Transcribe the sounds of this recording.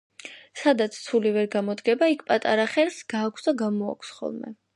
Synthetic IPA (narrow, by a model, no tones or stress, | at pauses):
sad̪at̪sʰsʰulivɛɾɡamɔd̪ɡɛbaikʰpʼat̪ʼaɾaχɛɾsɡ̥aːkʷʰsd̪aɡamɔa̰kʷʰsχɔ̰lˠmɛ̰